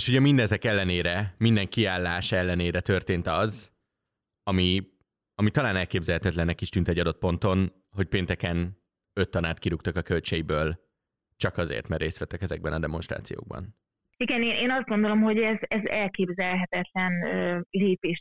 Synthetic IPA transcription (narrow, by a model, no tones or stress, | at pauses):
eʃhuɟɛmind̪ɛzɛkɛlːɛneːɾɛmind̪ɛŋkiaːlːaːʃɛlːɛneːɾɛt̪ø̞rt̪eːnt̪ɒz | ɒmi | ɒmit̪ɒlaːnɛlkeːbzɛlhɛt̪ɛt̪lɛnːɛkiʃt̪yːnt̪ɛɟːɒd̪o̞t̪̚po̞nt̪o̞n | ɦo̞c̚peːnt̪ɛkɛn | ø̞t̪ːɒnaːrt̪kiɾukt̪ɒkɒkø̞lt͡ʃɛjibøːl | t͡ʃɒkɒzḛːrt̪mɛrːeːst̪ʋɛt̪ːɛkɛzɛɡ̚bɛnɒd̪ɛmo̞nʃt̪ra̰ːt̪sijo̰ːɡ̚bɒ̰n | iɡɛneːnʔeːnɒzd̪̚ɡo̞nd̪o̞lo̞mɦo̞ɟɛzɛzɛlkeːbzɛlɦɛt̪ɛt̪lɛnleːpeːʃ